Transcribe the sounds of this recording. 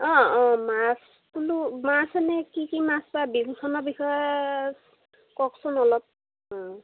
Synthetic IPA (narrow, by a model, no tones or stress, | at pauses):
ɔ̃ɔ̃mas | kulumasanɛkikimaspabibukʰɔnɔbixɔjɔs | kɔksɔnɔlɔp̚ | ɔ̃